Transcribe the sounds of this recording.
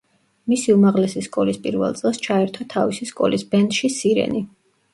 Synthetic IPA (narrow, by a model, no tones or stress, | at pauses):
misiumaʁlɛsiskʼɔlispʼiɾvɛ̰lˠt̪sʼɛlˠst͡ʃʰaɛɾt̪ʰɔt̪ʰavisiskʼɔ̰lisbɛnd̪ʃisiɾɛ̰ni